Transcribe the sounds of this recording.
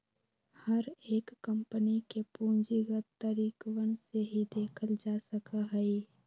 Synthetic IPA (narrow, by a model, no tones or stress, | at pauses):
həɾeːkːə̃mpənikepuːnd͡ʒiɡət̪ːəɾiːkwənseɦid̪eːkʰəld͡ʒaːsəkaɦɛi